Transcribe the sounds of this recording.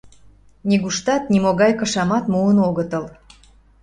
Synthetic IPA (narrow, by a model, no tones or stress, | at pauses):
niɣuʃt̪ɑt̪̚nʲimoɣɑjkɤ̆ʃɑmɑt̪muənoɣət̪əl